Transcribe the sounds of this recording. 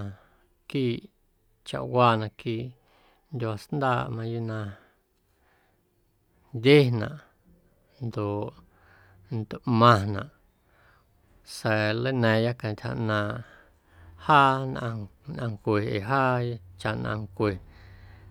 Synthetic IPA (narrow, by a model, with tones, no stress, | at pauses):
kiː˦˨ | t͡ʃa̰˧˨ʔwaː˧nã˧kiː˦˧˨ʔ | nd̪ʲa˧snd̪aː˧˨ʔmã˧ju˦nã˧ | nd̪ʲe˦nã̰˨ʔ | nd̪o˨ʔ | nd̪o˨ʔmã˧nã̰˨ʔ | sɛ˨lə˦nɛ̃˨˧ja˦kã˧˨t̪ʲha̰˧ʔnãː˧ʔ | haː˦nʔã˧nʔã˧ŋkʷe˨e˨ɦaː˦t͡ʃa˧˨ʔnã̰˧ŋkʷe˨